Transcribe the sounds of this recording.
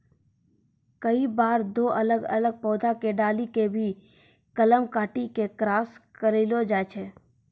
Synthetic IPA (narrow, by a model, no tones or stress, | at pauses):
kəibaːɾd̪oːʔələɡə̰ləɡ̚pɔːd̪ʱakeɖaːlikebʱi | kələmkaːʈikekɾaːskəɾelod͡ʒaːt͡ʃʰeː